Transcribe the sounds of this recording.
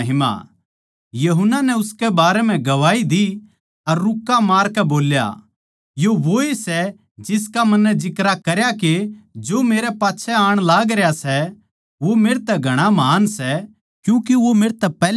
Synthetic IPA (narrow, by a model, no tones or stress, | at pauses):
ɦɪma̰ | jɐɦʊnːanɛʊskɛbaːɾɛm̤ɛ̃ɡɐʋaːid̪i | ɐɾːʊkːamaːɾkɛboːlja̰ | joʋoesɛ | d͡ʒɪskamɐnːɛd͡ʒɪkɾakɐɾjaked͡ʒoːmeːɾɛpaːtːʃʰɛaːɽ̃laːɡɾɛjasɛ | ʋomeːɾt̪ɛɡʱɐɽ̃amaːnsɛ | kjũːkiʋomeːɾt̪ɛpɛː